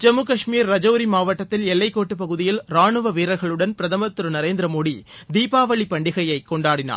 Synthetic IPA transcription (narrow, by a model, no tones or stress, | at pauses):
d͡ʒɐmɯkɐʂmiːɾːɐd͡ʒɐːɾimaːʋɐʈːɐt̪ːɪlɛlːɐɪkːoːʈːɯpɐɣɯðɪjɪlɾaːɳɯʋɐʋiːɾɐɾɣɐɭɯɽɐnpɪɾɐðɐmɐt̪ːɯɾɯnɐɾeːnd̪ɾɐmoːɽid̪iːpaːʋɐɭipɐɳɖɪɣɐjɐɪkːɔɳɖaːɽɪna̰ː